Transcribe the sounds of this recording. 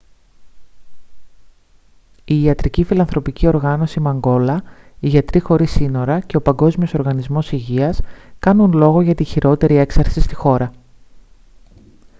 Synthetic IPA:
iːɐt̪ɾicifilɐnθɾo̞picio̞ɾɣɐno̞simɐŋɡo̞lɐiʝɐt̪ɾixo̞ɾisino̞ɾɐce̞o̞pɐŋɡo̞zmioso̞ɾɣɐnizmo̞siʝiɐskɐnunlo̞ɣo̞ʝɐt̪içiɾʔo̞t̪e̞ɾie̞ksɐɾsist̪ixo̞ɾɐ

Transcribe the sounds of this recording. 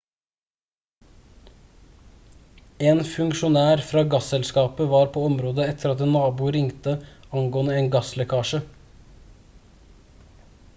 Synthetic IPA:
eːnfʉŋkʃʊnæːɾfɾɑːɡɑsɛlskɑːpəʋɑːɾpʰoːɔmɾoːd̪əɛt̪ʰəɾɑt̪ːnɑːbuːɾɪŋt̪ə | ɑŋɡoːənəeːnɡɑslɛkʰɑːʃə

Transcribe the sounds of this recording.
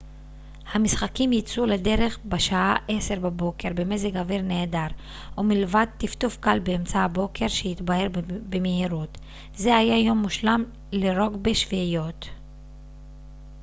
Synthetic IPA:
hamisχakimjit͡sulede̞ʁe̞χbeʃaaʔe̞seʁbabo̞ke̞ʁbeme̞zeɡaviʁne̞ːdaʁ | ʔumilvad̪̚t̪ift̪ufkalbeemt͡sahabo̞kʰe̞ʁʃehit̪bahe̞ʁbemehiʁut | ze̞hajajo̞mːuʃlam | leʁo̞ɡbeʃvijo̞t̪

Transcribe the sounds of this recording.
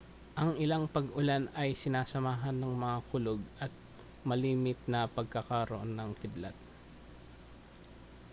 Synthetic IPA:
ʔɐŋʔɪlaŋpɐɡʔʊlanɐjsɪnaːsɐmaːɦɐnːɐŋmɐŋakʊloɡ̚ʔɐt̪̚ | mɐliːmɪt̪̚nɐpɐɡ̚kɐkɐɾoʔonːɐŋkɪblat̪̚

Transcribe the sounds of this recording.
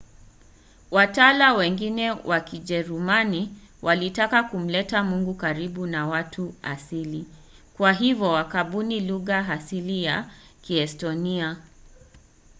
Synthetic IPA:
watalawɛŋɡinɛwʔakiʄɛɾumani | wʔalitakakum̩lɛtamuŋɡukaɾiɓunawatʰua̰sili | kwaɦivjɔwakaɓuniluɣaɦasilijakiɛstɔnia

